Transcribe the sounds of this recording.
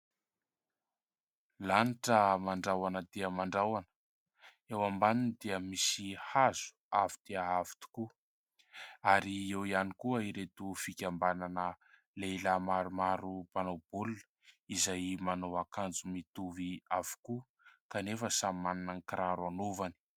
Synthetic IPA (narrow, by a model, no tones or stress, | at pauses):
laniʈ͡ʂəmaɳɖ͡ʐawanəd̪eəmaɳɖ͡ʐawanə̥ | ewambaninid̪eəmisihaz̥u̥avid̪̥eəavi̥t̪u̥ku | aɾiewianikuəiɾet̪ufikʲambananə | lelamaɾumaɾupanob̥ulunə̥ | izajmanowakand͡zumit̪uviavu̥ku | kanefəsammaninankiɾaɾwanovani̥